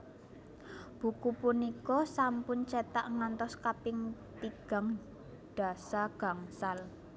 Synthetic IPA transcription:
b̥ṳkupunikɔsampʊnt͡ʃet̪aʔŋant̪ɔskapɪŋt̪iɡ̥a̤ŋ | ɖ̥a̤saɡ̥a̤ŋsal

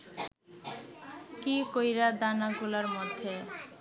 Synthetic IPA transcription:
kikojɾad̪anaɡulaɾmɔd̪ʱːe

